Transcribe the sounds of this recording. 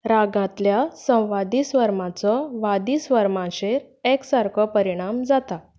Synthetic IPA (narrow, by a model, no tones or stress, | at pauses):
ɾaɡãt̪ljasə̃w̃ʋad̪iːsʋəɾmãt͡sɔʋad̪iːsʋəɾmãɕeɾ | eksaɾkʰɔpəɾiɽ̃amd͡zat̪a